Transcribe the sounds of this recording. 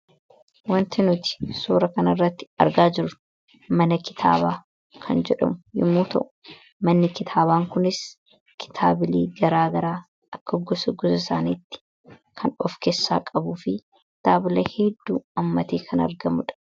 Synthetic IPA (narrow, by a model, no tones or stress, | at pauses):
wɐnt̪ɪnʊt̪ɪ̥suːɾɐkɐnɐrːɐt̪ːɪ̥ɐ̰ɾɡaːd͡ʒɪɾʊ | mɐnɐkɪ̥t̪ʰa̰ːbaː | kʰɐnd͡ʒɛᶑɐ̰mʊjɪ̰mːuːt̪ɐ̰ʔʊ̥ | mɐnːɪkɪt̪ʰaːbaːŋkʊnɪs | kʰɪ̥t̪ʰa̰ːbɪlḭːɡɐɾaːɡɐɾaː | ɐkːɐɡɔsɔɡɔsɪsa̰ːniːt̪ːɪ̥ | kʰɐnɔfkesːa̰ːkʼɐbuːfɪ | t̪aːbɪlɐhɛd̪ːuːɐmːɐt̪eːkʰɐnɐ̰ɾɡɐmʊᶑɐ̥